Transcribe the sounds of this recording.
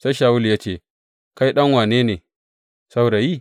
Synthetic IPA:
sa˦jʃaː˨wʊ˦ljaː˦t͡ʃeː˦˨ | ka˦jɗɐ˦ŋwaː˨neː˦neː˨ | sa˦wɽa˨jiː˦

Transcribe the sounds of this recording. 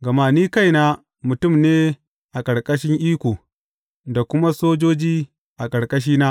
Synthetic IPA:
ɡɐ˨maː˨niː˦ka˦jnaː˦ | mʊ˨tʊ˦˨mneː˦ | ʔa˨kʼɐ˨ɾkʼɐ˦ʃɪ˦ŋʔiː˦kʷoː˨ | da˨kʷʊ˦ma˦soː˦d͡ʒoː˦d͡ʒiː˦ | ʔa˨kʼɐ˨ɽkʼɐ˦ʃ̬iː˦naː˦ʔ

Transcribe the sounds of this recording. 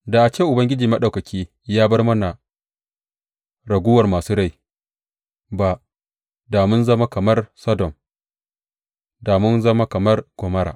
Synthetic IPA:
da˨ʔa˨t͡ʃeː˦˨ʔʊ˨bɐ˦ŋɡʲɪ˦d͡ʒiː˨mɐ˦ɗa˨kɐ˨kʲiː˦ | jaː˦bɐ˦rmɐ˦na˨ | ɾɐ˨ɡʷʊː˦wɐ˨rmaː˨suː˦ɽa˦˨j | ba˦ | da˨mʊ˦nzɐ˦ma˦kɐ˨mɐ˦rsɐ˦dɔ˨m | daː˨mʊ˦nzɐ˦ma˦kɐ˨mɐ˦rɡ̥ʷɔ˨mɐ˦ɽa̰˨ʔ

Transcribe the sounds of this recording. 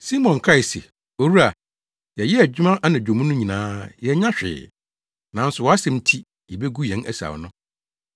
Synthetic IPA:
si˦mɔ̃˨nkʰɾa˦˨ɪ˨sḛ˨ | o˦˨ɾu˦a˨ | jɛ˨jɛ˦æ˨d͡ʑᶣɪ˦mã˦ʔa˦nã˨d͡ʑᶣo˨mũ˦nʊ̃˦ɲĩ˨nãː˦jɛ˨ɲã˦ɕᶣɪ̰ː˨ | nã˨n̩˦sʊ˨wɔ˨˦a˦sɛ̃˨mtʰi˦ | jɛ˨be˦ɡu˦jɛ̃˨˦næ˦sa̰˨wnʊ̃˦

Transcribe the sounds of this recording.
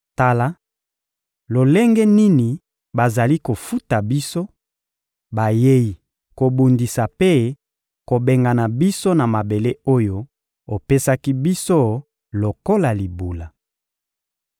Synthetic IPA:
ta˦la˦ | lo˨lɛ˦ŋɡɛ˦ni˦ni˨ | ba˨za˨li˦ko˨fu˦ta˨bi˦so˦ | ba˨je˦ji˨ | ko˨bu˨ndi˨sa˨pe˦ | ko˨be˨ŋɡa˨na˨bi˦so˦na˨ma˨be˨le˦o˦jo˦ | o˨pe˦sa˦ki˦bi˦so˦ | lo˨ko˦la˨li˨bu˨la˨

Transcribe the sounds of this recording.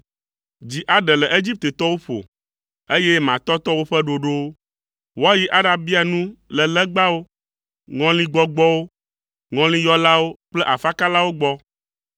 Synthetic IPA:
d͡ʑi˨ʔa˨ɖɛ˨lɛ˨ʔe˦d͡ʑi˦p̚t̪e˨t̪ɔ˦wo˦ɸo̰˨ | e˦je˦mã˨t̪ɔ˦t̪ɔ˦wo˦ɸɛ˦ɖo˨ɖo˦ | wo˦a˦ji˦ʔa˦ɖa˨bi˦a˨nũ˦lɛ˨lɛ˦ɡ͡ba˦wo˦ | ŋɔ̃˦lĩ˦ɡ͡bɔ˦ɡ͡bɔ˦wo˦ | ŋɔ̃˦lĩ˦jɔ˦la˦wo˦k͡plɛ˦ʔa˨fa˦ka˦la˦wo˦ɡ͡bɔ˦

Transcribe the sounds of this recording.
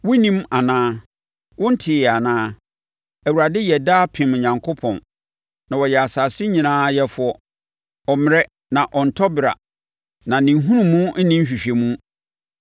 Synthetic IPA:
wʊ̃˦nĩ˦ma˨nãː˦ | wʊ̃˦n̩˦tʰɪ˨jɛ˨a˨nãː˦ | æ˨wu˨ɾa˨dɪ˦jɛ˨daː˦pʰɪ̃˨m˨ɲã˨ŋkʰo˦pʰɔ̰̃˨n | nã˨wɔ˨jɛ˨a˨saː˨sɪ˦ɲĩ˨nãː˦jɛ˦fʊ˦ɔ˦ | ɔ˨mɪ̃˨ɾɛ˦ | nã˨ʔɔ˨n̩˨tʰɔ˦bɪ˨ɾa̰˨ | nã˨nĩ˨ɦũ˦nũ˨mːũ˦n̩˦nĩ˦m̩˦ɕᶣi˨ɕᶣe˨mũ˦

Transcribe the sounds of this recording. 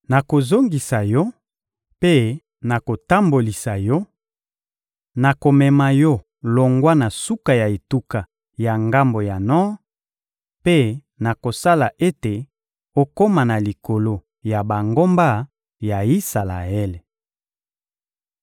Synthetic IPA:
na˨ko˨zo˦ŋɡi˨sa˨jɔ˦ | pe˦ | na˨ko˨ta˦mbo˨li˨sa˨jɔ˦ | na˨ko˨mɛ˨ma˨jɔ˦ | lo˨ŋɡwa˦na˨su˦ka˨ja˨e˨tu˦ka˨ | ja˨ŋɡa˦mbo˨ja˨nɔ˦ | pe˦ | na˨ko˨sa˦la˨ʔe˦te˨ | o˦ko˦ma˨na˨li˨ko˨lo˦ | ja˨ba˨ŋɡo˦mba˦ | ja˨i˦sa˨la̰˨ɛ˦le˨

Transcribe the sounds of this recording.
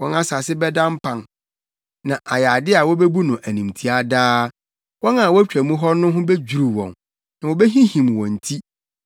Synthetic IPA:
wɔ̃˦nã˦sa˨sɪ˦bɛ˦dã˦m̩˦pʰã˨n | nã˨ʔa˨ja˨dɪ˦a˨wɔ˦be˦bu˦nʊ̃˨ʔæ˨nĩ˨mtʰi˦a˦daː˦ | wɔ̃˦na˨wɔ˦æ˦t͡ɕᶣæ˨mũ˦ɦɔ˦nʊ̃˦ɦʊ̃˦be˦d͡ʑᶣu˨ɾu˨wɔ̰̃˨n | nã˨wɔ˨be˦ɦĩ˦hĩ˨mwɔ̃˨n̩˨tʰi˦

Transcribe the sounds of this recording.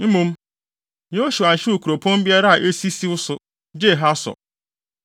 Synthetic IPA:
m̩˦mũ˦m | jo˦ɕu˨ã˨ɲ̩˨ɕɪ˦ɾu˨kʰu˨ɾo˨pʰõ˦m˦bi˦a˦ɾa˦a˨ʔe˦si˦si˦wʊ˦sʊ˨ | d͡ʒe˦˨ɦa˦sɔ̰˨

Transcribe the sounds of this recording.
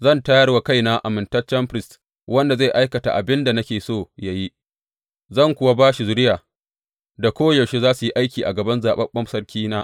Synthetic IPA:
zɐ˦˨ntaː˦jɐ˦rwa˨ka˦jna˦ʔa̰˨mɪ˨ntɐ˦rt͡ʃɐ˦mɸɾɪ˦˨st | wɐ˦nda˨za˦˨jʔa˦jkɐ˨ta̰˨ʔa̰˨bɪ˦nda˨nɐ˦kʲeː˨soː˦˨ja˨ji˦ | zɐ˦˨ŋkʷʊ˨wa˦baː˦ʃi˨zʊ˦ɽɪ˦jaː˨ | da˨kʷoː˦jɐ˨wʃe˦zaː˦su˨ji˦ʔa˦jkʲiː˨ʔa˨ɡɐ˨bɐ˦nzaː˨ɓɐ˦mɓɐ˦msɐ˦rkʲiː˦naː˦ʔ

